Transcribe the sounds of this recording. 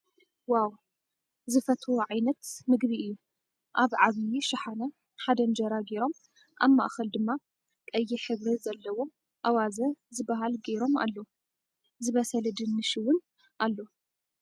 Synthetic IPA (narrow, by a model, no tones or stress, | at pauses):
waw | zɨfɐt̪ʰuʕajnɐt̪mɨɡbiɨjːu | ʔaβʕaβjiʃaħanɐ | ħad̪ɐnd͡ʒɐɾaɡeɾo̞m | ʔa̰βma̰ʔxɐld̪ɨmːa | kʼɐjːiħɨβɾizɐlːɐwo̞ | ʔawazɐzɨbːaɦalɡeɾo̞ma̰lːo | zɨβɐsɐld̪ɨnːɨʃiwʊn | ʔalːo